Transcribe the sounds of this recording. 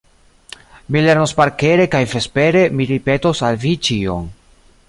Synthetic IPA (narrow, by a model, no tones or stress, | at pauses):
mile̞ɾnospaɾke̞ɾe̞kajfe̞spe̞ɾe̞miɾipe̞tosalvit͡ʃio̰m